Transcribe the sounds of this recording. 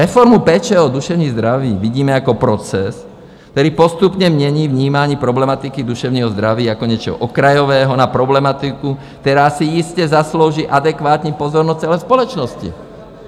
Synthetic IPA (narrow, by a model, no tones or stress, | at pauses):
ɾɛfɔɾmupɛːt͡ʃɛːɔd̪uʃɛʊɲiːzd̪ɾaʋiːʋiɟiːmɛakɔpɾɔt͡sɛs | kkt̪ɔɾiːpɔst̪upɲɛmɲɛɲiːvɲiːmaɲipɾɔblɛmat̪ikid̪uʃɛʊɲiːɦɔzd̪ɾaʋiːakɔɲɛt͡ʃɛ̰ɦɔ̰ʔɔkɾajɔʋɛːɦɔnapɾɔblɛmat̪iku | t̪ɛɾasiiscɛzasloʊʒiʔad̪ɛkʋaːt̪ɲipɔzɔɾnɔt͡sɛlɛspɔlɔt͡ʃnɔscḭ